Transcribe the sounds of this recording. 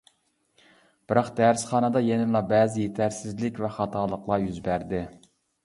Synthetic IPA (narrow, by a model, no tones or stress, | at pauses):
b̥ɨɾɑqd̪æɾsχɑːnɨd̪ɑjenɪmlˠɑbæːzɪjet̪ʰæɾsɪzlɪkʲvɛχɑt̪ʰɑːlˠəqlˠɑjyzbæɾd̪ɪ